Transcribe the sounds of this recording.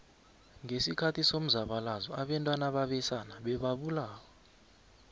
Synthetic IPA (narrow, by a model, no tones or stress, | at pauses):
ŋʱesikʰatʰisom̩zaɓalazɔaɓɛntʼwanaɓaɓɛsanaɓɛɓaɓulaːwɔ